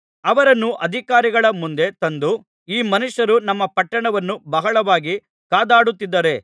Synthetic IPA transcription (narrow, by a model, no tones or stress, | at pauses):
ɐʋɐɾɐnːuʔɐd̪ʱikaːɾiɡɐɭɐmund̪e̞t̪ɐnd̪u | iːmɐnuʂɐɾunɐmːɐpɐʈːɐɳɐʋɐnːubɐɦɐɭɐʋaːɡi | kaːd̪aːɽut̪ːid̪ːɐɾe̞